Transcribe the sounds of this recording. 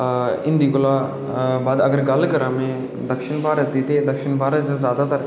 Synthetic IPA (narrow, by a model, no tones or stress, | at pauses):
ɪ̃nd̪iːkʊla | baːd̪ɐɡəɾɡɐlkɐɾãːmẽ | d̪ɐkʃɪnbʱaːɾət̪ːit̪ed̪ɐkʃɪnbʱaːɾət̪ezjaːd̪at̪ɐɾ